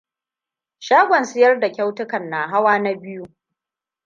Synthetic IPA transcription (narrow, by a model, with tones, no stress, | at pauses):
ʃaː˦ɡʷɐ˨nsɪ˦jɐ˦rda˨kʲa˦wtʊ˦kɐ˨nːaː˨ɦa˦waː˦na˦bɪ˦ju˦